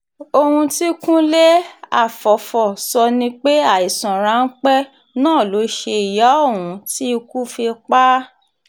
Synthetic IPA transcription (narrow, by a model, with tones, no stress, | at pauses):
o˧hũ˧ti˦kũ˦le˦a̰˦˨fɔ˨fɔ˨sɔ˧nĩ˧k͡pe˦a˦˨i˨sɔ̃˨ɾ̃ã˨˦n̩˦k͡pɛ˦ | nãː˦˨lo˨˦ʃe˧i˨ja˨˦o˦˨wũ˨˧ti˦˧ku˦fi˧k͡pa˦